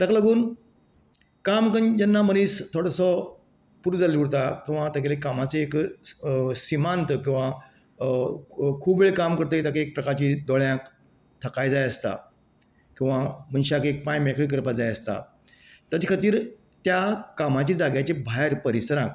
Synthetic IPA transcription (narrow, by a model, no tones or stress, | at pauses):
t̪əkləɡuːn | kamkənd͡ʑənːaməñiːst̪ʰoɽəsɔ | puɾd͡zalʋuɽt̪akĩw̃ʋat̪əklekamat͡seek | simãnt̪kĩw̃ʋa | kʰuːbeɭekamkəɾt̪əit̪akek̚pɾəkaɾt͡ɕiːd̪ɔɭjãk | t̪ʰəkajd͡zajəst̪a̰ | kĩw̃ʋam̤ənɕakek̚pãjmakʰɭik̬əɾpad͡zajəst̪a̰ | t̪jat͡ɕikʰat̪iːɾ | t̪jakamat͡ɕid͡zaɡjat͡ɕebʱaɦɾpəɾisɾãk